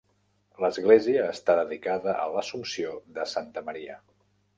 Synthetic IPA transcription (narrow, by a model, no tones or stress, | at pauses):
ləzɣleziəːst̪aðəðikaðəʔə̰ləsumsioðəsant̪əməɾiə